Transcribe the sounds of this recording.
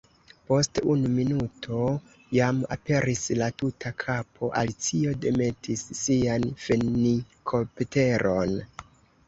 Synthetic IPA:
po̞stunuminutʰo̞ | jama̰pe̞ɾʔislatutʰakʰapʰo̞ʔa̰lit͡sio̞de̞me̞tʰisːianfeni | kʰopte̞ɾo̞n

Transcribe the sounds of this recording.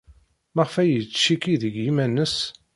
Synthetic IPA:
məʁfæjət͡sːʃikiðəɡjimænːəs

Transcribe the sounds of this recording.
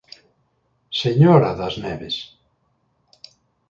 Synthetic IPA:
seɲoɾaðaznɛβes

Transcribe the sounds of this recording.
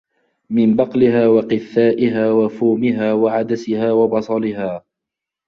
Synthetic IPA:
mɪmbɑqlɪhaːwɑqɨθːaːʔɪɦaːwafuːmɪɦaːwaʕad̪asɪhaːwɑbɑsˤɑlɪɦaː

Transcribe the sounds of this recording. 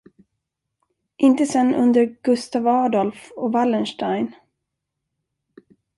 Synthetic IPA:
ʔɪnt̪əsɛnːɵnd̪əɾɡ̥ɵst̪avɑːd̪ɔlfɔvalːənʂʈajn

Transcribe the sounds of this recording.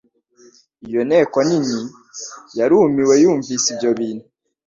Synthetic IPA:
ijo̞ne̞ːkonini | jaɾuːmiwe̞juːɱvisibjo̞βiːnu

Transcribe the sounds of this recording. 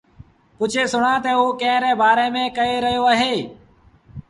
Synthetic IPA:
pʊt͡ʃʰeːsʊɳãːt̪eːoːkẽːɾɛːbaːɾeːmẽːkəeːɾəɦijoːaːɦeː

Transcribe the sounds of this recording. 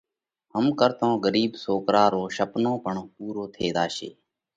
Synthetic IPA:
həmkəɾt̪õːɡəɾiːbsoːkɾaːɾoːʃəpnõːpəɳpuːɾoːt̪ʰeːd̪aːʃḛː

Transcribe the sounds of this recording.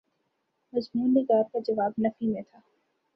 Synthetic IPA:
mɐzmuːnːɪɡaːɾkad͡ʒɐʋaːbnɐfimẽt̪ʰaː

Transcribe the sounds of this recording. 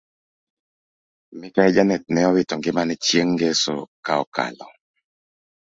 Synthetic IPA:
mɪkaɛd͡ʒanɛt̚nɛɔwɪtɔŋɡɪmanɛt͡ʃjeŋɡeso̰kaɔka̰lɔ

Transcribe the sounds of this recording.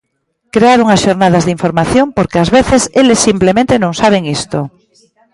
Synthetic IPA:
kɾeaɾuŋasʃoɾnað̞azðiɱfoɾmaθjompoɾkeazβeθeselesːimplemẽnt̪enõŋsaβ̞eŋist̪o

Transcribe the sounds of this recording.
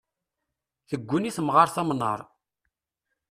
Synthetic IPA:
θəɡʷːʊniθəmʁɑɾθɑmnə̰ɾˤ

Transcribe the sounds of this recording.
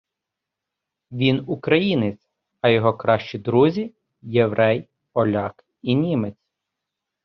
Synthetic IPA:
ʋʲinukɾɐjinɪt͡sʲ | ɐjɔɦɔkɾɑʃt͡ʃid̪ɾuzʲi | jeʋɾɛj | ɔlʲɑk | inʲimet͡sʲ

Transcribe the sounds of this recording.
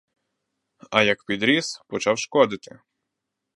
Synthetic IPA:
ɐjɐkpʲid̪ɾʲispɔt͡ʃɑwʃkɔd̪ɪt̪ɪ̥̰

